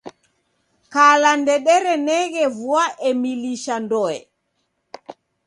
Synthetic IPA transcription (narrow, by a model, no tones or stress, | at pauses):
kaːlandɛɗɛɾɛnɛɡɛvuaʔɛmiliʃandɔɛ̰